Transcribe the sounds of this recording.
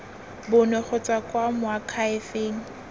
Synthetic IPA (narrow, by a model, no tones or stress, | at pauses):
bʊnɛχʊt͡sʼakʼwamʊakʰaɪfeːŋ̩